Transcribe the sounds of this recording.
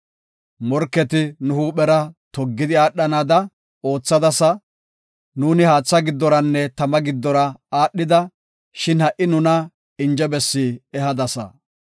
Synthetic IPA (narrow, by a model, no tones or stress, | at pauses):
mɔɾkːɛt̪ɪnʊhuːɓɛɾɐt̪ɔɡːɪd̪ɪaːɗːɐnaːd̪ɐ | o̞ːt͡sːɐd̪ɐsɐ | nuːnɪhaːt͡sːɐɡɪd̪ːɔɾɐnːɛt̪ɐmɐɡɪd̪ːɔɾɐaːɗːɪd̪ɐ | ʃɪnhɐʔːɪnʊnɐ | ɪnd͡ʒɛbɛsːiːɛhɐd̪ɐsɐ̰